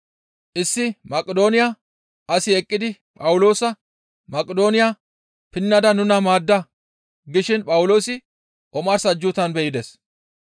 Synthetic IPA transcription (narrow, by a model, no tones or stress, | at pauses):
ʔɪsːɪmɐkʼːɛd̪o̞ːnɪja | ʔɐsɪɛkʼːɪd̪ɪ | pʼɐwʊlo̞ːsɐ | mɐkʼːɛd̪o̞ːnɪja | pɪnːɐd̪ɐnʊnɐmaːd̪ːɐ | ɡɪʃɪnpʼɐwʊlo̞ːsɪ | ʔɔmɐɾsɐd͡ʒːʊt̪ɐnbɛjɪd̪es